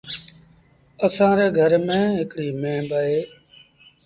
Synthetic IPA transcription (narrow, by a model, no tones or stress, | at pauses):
əsãːɾeːɡʱəɾmẽːɦɪkɽiːmẽːbəeː